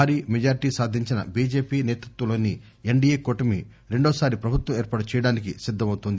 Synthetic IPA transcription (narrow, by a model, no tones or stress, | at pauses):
aːɾiːmed͡ʒaːɾiʈiːsaːd̪ʱiɲt͡ʃinɐ̰biːd͡ʒe̞ːpiːneːt̪ɾut̪ʋɐloːnːi | eɳɖiːeːkoʈɐmḭ | ɾe̞ɳɖoːsaːɾipɾɐbʱut̪ʋɐmeːɾpaːɽut͡ʃɛjɐɽaːnik̬isid̪ʱːɐmɐwt̪und̪i